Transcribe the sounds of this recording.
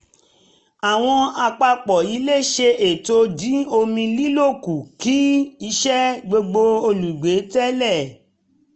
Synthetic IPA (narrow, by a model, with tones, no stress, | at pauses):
a˨w̃ɔ̃˧a˧k͡pa˧k͡pɔ˨i˨˦le˦˨ʃe˧ʔe˨to˧dĩ˨˦o˧mĩ˧li˦lo˦˨ku˨ki˦i˧˦ʃɛ˦ɡ͡bo˧ɡ͡bo˧o˧lu˨ɡ͡be˨˦tɛ˦lɛ˦˨